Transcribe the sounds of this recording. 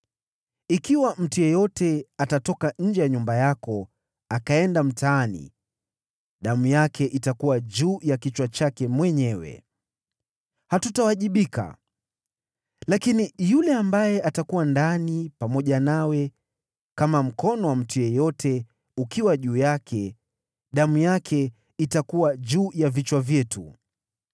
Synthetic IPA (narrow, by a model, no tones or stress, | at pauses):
ikiwam̩tujɛjɔtɛatatɔkaɲ̩d͡ʒɛjaɲumbajakɔ | akaɛndam̩taːnḭ | ɗamujakʰɛʔitakuwaʄuːjakit͡ʃwat͡ʃakɛmwɛɲɛwɛ̰ | hatutawaʄiɓika̰ | lakinijulɛambajɛʔatakuwandanipamɔʄanawɛ | kamam̩kɔnɔwam̩tujɛjɔtʰɛ | ukiwaʄuːjakʰɛ | ɗamujakʰɛ | itakuwaʄuːjavit͡ʃwavjɛtṵ